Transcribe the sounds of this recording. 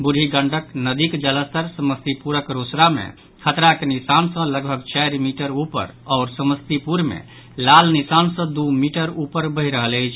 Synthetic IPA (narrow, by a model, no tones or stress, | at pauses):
buɾʱiɡəɳɖʱəknəd̪ikd͡ʒələst̪əɾsəməst̪ipuɾəkɾosɾamḛ | kʰət̪ɾakenisansə̃ləɡbʱəɡt͡ʃajɾmiʈəɾupə̰ɾɔːɾsəməst̪ipuɾmḛ | lalnisansə̃d̪umiʈəɾupəɾbəɦiɾəɦələjt͡ʃʰ